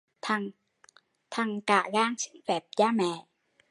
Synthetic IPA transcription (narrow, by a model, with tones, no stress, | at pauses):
t̪ʰa˧˩ŋ | t̪ʰa˧˩ŋkaː˨˩ɣaː˧ŋsi˦˥ŋfɛː˨˩p̚zaː˧mɛː˨˩˨